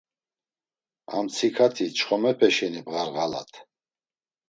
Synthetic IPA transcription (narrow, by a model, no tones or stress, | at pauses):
a̰mt͡sʰikʰat̪ʰit͡ʃχɔmɛpʰɛʃɛnibʁaɾɣala̰t̪ʰ